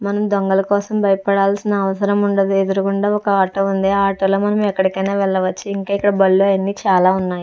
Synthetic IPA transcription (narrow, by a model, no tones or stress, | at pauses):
mɐnɐmd̪oŋɡɐlɐkɔːsɐmbɐjɐpɐɽaːlsinɐːʋɐsɐɾɐmuɳɖɐd̪ued̪uɾukuɳɖaːɔkɐaːʈɐund̪eːaːʈɐːloːmɐnɐmɛkːɐɽikɐjneːʋɛɭːɐʋɐt͡ʃːuiŋkaːikːɐɽɐbɐɭːuɐjɐnːiːt͡ʃaːlaːunːaːji